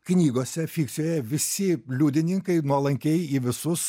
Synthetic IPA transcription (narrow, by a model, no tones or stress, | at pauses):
knʲiːɡoɔsʲɛfʲiːkt̪sʲɪjoːjɛʋʲɪsʲɪlʲuːd̪ʲɪnʲɪŋkɐɪnuɔlˠɐŋʲkʲɛɪiːʋʲɪsʊs